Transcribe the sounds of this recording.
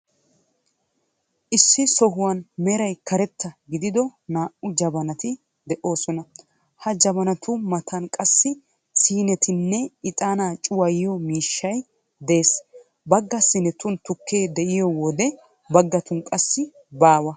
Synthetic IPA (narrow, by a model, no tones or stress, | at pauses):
ʔɪsːɪsɔɦʊwɐnmɛɾɐjkɐɾɛt̪ːɐɡɪd̪ɪd̪ɔnaːʔʊd͡ʒɐbɐnɐt̪ɪ | d̪ɛʔo̞ːsɔnɐ | hɐd͡ʒɐbɐnɐt̪ʰʊmɐt̪ɐnkʼɐsːɪ | siːnɛt̪ɪnːɛɪt̪ʼaːnaːt͡ʃʼʊwɐjɪjɔmiːʃːɐj | d̪e̞ːs | bɐɡːɐsːɪnɛt̪ʊnt̪ʊkʰːe̞ːd̪ɛʔɪjɔwɔd̪ɛ | bɐɡːɐt̪ʊnkʼɐsːɪ | baːwɐ